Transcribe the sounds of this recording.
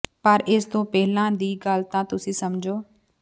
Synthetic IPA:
pəɾɪsd̪õːpɛɦɪlãːd̪iːɡaːlt̪ãːt̪ʊsĩːsɐmd͡ʒʱoː

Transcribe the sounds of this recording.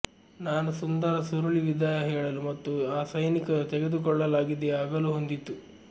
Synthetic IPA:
naːnusund̪ɐɾɐsuɾuɭiʋid̪ʱajɐɦɛːɭɐlumɐt̪ːuaːsɐjnikɐt̪eɡe̞d̪ukɔɭːɐlaːɡid̪ɛaːɡɐluɦond̪it̪ːu

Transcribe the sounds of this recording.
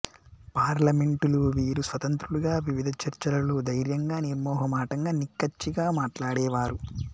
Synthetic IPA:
paːɾlɐme̞ɳʈuluʋiːɾusʋɐt̪ɐnt̪ɾuɽuɡaːʋiʋid̪ʱɐt͡ʃɐɾt͡ʃɐlɐlud̪ɐjɾjɐŋɡaːniɾmɔːɦɐmaːʈɐŋɡaːnikːɐt͡ʃːiɡaːmaːʈlaːɽɛːʋaːɾu

